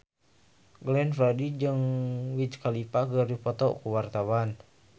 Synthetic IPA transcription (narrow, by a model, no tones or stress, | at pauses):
ɡlɛnfɾadid͡ʒɨŋwit͡ʃkalipakərdipɔt̪ɔ̰kuwart̪awan